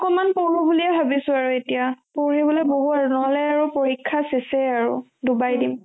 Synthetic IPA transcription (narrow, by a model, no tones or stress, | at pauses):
ɔkɔmanpoɹubuliɛbʱabisʊaɹuetijapoɹibɔlɔjboɦuaɹunɔlɛaɹupoɹikʰːasesɛaɹṵdubajdim